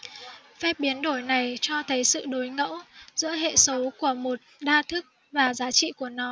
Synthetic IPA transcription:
fɛ˦˥p̚ɓi˨˦ənɗo˧˩jna˨˩jt͡ɕɔ˧t̪ʰə˨˦jsɨ̰˧˨ɗo˨˦jŋə̰˧˥wzɨ̰˧˥əɦḛ˧˨sə˨˦wku˧˩əmo˨˩t̚ɗaː˧t̪ʰɨ˦˥k̚ | vaː˨˩zaː˨˦t͡ɕḭ˧˨ku˧˩ənɔ˨˦

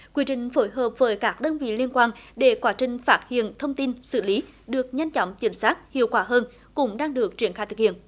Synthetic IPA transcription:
kwi˧ət͡ɕï˧˨˩ŋ̟fo˧˦jɦəː˨˩p̚vəː˨˦jkaː˦˥k̚ɗəː˧nvḭ˧˨li˧ənkwaː˧nɗe˧˩kwaː˨˦t͡ɕï˨˩ŋ̟faː˦˥t̚hḭ˧˨ənt̪ʰə˧wŋ͡mt̪i˧nsɨ̰˧˩li˨˦ | ɗɨ˨˩ək̚ɲa˧jŋ̟t͡ɕɔ̰˧˩˨wŋ͡mt͡ɕi˨˩˦msaː˦˥t̚hḭ˧˨əwkwaː˧˦ɦəː˧n | kʊ̰˧˥ŋ͡mɗaː˧ŋɗɨ˨˩ək̚t͡ɕi˧˩ənxaː˧jt̪ʰɨ˨˩khḭ˧˨ən

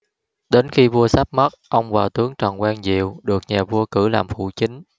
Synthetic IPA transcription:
ɗe˨˦nxi˧vu˧əsa˦˥p̚mə˦˥t̚ʔə˧wŋ͡mvaː˨˩wt̪ɨ˨˦əŋt͡ɕɔ˨˩nkwaː˧ŋzḭ˧˨əwɗɨ˨˩ək̚ɲaː˨˩vu˧əkɨ˧˩laː˨˩mfṵ˧˩t͡ɕï˨˦ŋ̟

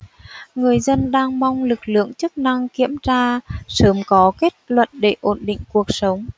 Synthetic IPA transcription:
ŋɨ˨˩əjzə˧nɗaː˧ŋma˧wŋ͡mlɨ˨˩k̚lɨ̰˧˨əŋt͡ɕɨ˦˥k̚na˧ŋkḭ˧˥əmzaː˧səː˨˦mkɔ˨˦ke˦˥t̚lwə̰˧˨t̚ɗe˧˩ʔo˧˩nɗḭ˧˨ŋ̟ku˨˩ək̚sə˨˦wŋ͡m

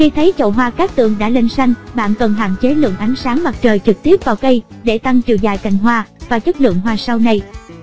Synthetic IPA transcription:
xi˧t̪ʰə˨˦jt͡ɕə̰˧˨wɦwaː˧kaː˦˥k̚t̪ɨ̰˧˨əŋɗa̰ː˧˥le˧nsa˧jŋ̟ɓa̰ː˧˨nkə˨˩nɦa̰ː˧˨nt͡ɕe˨˦lɨ̰˧˨əŋʔa˨˦jŋ̟saː˨˦ŋma˨˩t̚t͡ɕəː˨˩jt͡ɕɨ˨˩k̚t̪i˦˥əp̚vaː˨˩wkə˧jɗe˧˩t̪a˧ŋt͡ɕḭ˧˩za̰ː˧˩jka̰˧˩jŋ̟ɦwaː˧vaː˨˩t͡ɕə˦˥k̚lɨ̰˧˨əŋɦwaː˧sa˧wna˧j

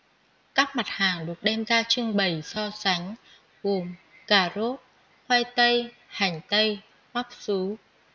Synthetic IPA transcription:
kaː˦˥k̚ma˨˩t̚haː˨˩ŋɗɨ˨˩ək̚ɗɛ˧mzaː˧t͡ɕɨ˧ŋɓə˨˩jsɔ˧sa˨˦jŋ̟ | ɣo˨˩m | kaː˧˩zo˦˥t̚ | hwaː˧jt̪ə˧j | ha˨˩jŋ̟t̪ə˧j | ma˦˥p̚su˨˦

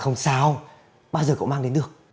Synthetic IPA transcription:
xə˧wŋ͡msaː˨˧w | ɓaː˧wzəː˨˩ko̰˧˨wmaː˧ŋɗe˨˦nɗɨ˨˩ək̚

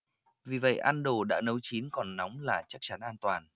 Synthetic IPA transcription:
vi˨˩və̰˧˨jʔaː˧nɗo˨˩ɗa̰ː˧˥nə˨˦wt͡ɕi˨˦nkɔ˨˩nːɔ˨˦wŋ͡mlaː˨˩t͡ɕa˦˥k̚t͡ɕa˨˦nʔaː˧nt̪waː˨˩n

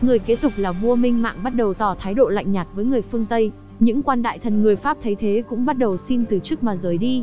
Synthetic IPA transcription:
ŋɨ˨˩əjke˦˥t̚t̪ʰʊ˨˩k͡p̚laː˨˩vu˧əmï˧ŋ̟ma̰ː˧˨ŋɓa˦˥t̚ɗə˨˩wt̪ɔ˨˩t̪ʰaː˨˦jɗo̰˧˨la̰˧˨jŋɲaː˨˩t̚vəː˨˦jŋɨ˨˩əjfɨ˧əŋt̪ə˧j | ɲɨ̰˧˥ŋkwaː˧nɗa̰ː˧˨jt̪ʰə˨˩nŋɨ˨˩əjfaː˦˥p̚t̪ʰə˨˦jt̪ʰe˨˦kʊ̰˧˥ŋ͡mɓa˦˥t̚ɗə˨˩wsi˧nt̪ɨ˨˩t͡ɕɨ˦˥k̚maː˨˩zəː˨˩jɗi˧

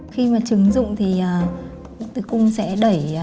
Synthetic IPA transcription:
xi˧maː˨˩t͡ɕɨ˨˦ŋzʊ̰˧˨ŋ͡mt̪ʰi˨˩ʔaː˨˩˧ | t̪ɨ˨˦jkʊ˧ŋ͡msɛ̰˧˥ɗə˧˩j

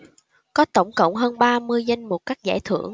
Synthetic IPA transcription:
kɔ˨˦t̪ə˧˩wŋ͡mkə̰˧˨wŋ͡mɦəː˧nɓaː˧mɨ˧əjza˧jŋ̟mo˨˩t̚kaː˦˥k̚za̰ː˧˩jt̪ʰɨ̰˧˩˨əŋ

